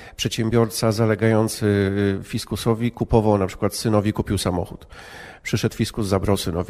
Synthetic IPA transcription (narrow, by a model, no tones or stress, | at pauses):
pʂɛt̪ɕɛmbʲjɔɾt̪sazalɛɡajɔnt̪sfʲiskusɔvʲikupɔvawnapʂɘ̥kwat̪sɘnɔvʲikupʲiwsamɔ̰xut̪ | pʂɘʂɛt̪wfʲiskuzzabɾawsɘnɔvʲi